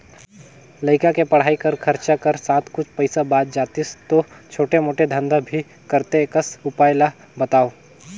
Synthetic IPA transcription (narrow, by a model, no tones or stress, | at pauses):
lɐɪkakepɐɽ̤aːikɐɾkʰɐɾt͡ʃakɐɾsaːt̪kʊt͡ʃʰpɐɪsabaːd̪̚d͡ʒaːt̪ist̪ot͡ʃʰoːʈemoːʈed̪ʱɐ̃nd̪abʱi | kɐɾt̪ekɐsʊpaːjla | bɐt̪aːoː